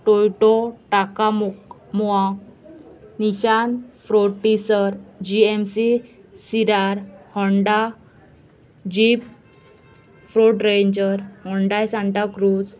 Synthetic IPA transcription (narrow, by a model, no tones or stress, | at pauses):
ʈojʈɔʈaka | mɔa | niɕanfɾoɽʈisəɾd͡ʑiemsi | siɾaɾhɔɳɖa | d͡ʑip | fɾoʈɾeɲd͡ʑəɾhɔɳɖajsãɳʈakɾud͡z